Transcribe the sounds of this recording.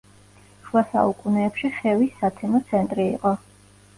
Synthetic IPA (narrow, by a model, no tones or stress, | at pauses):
ʃuasa̰ukʼunɛːpʃiχɛvisːat̪ʰɛnɔt̪sʰɛnt̪ʼɾḭːqʼɔ